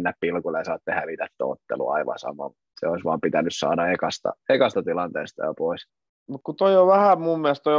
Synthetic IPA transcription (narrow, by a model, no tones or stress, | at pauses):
nːæppilkulesɑːt̪ːehæʋit̪et̪ːo̰ːo̰t̪ːḛlṵɑiʋɑ̰sɑ̰mɑ̰mut̪sḛoisʋɑːmpit̪ænyssɑ̰ːdɑekɑst̪ɑ̰ekɑst̪ɑt̪ilɑnt̪eːst̪ɑ̰jo̰pois | mut̪kut̪oioʋæhæmumːiælst̪oj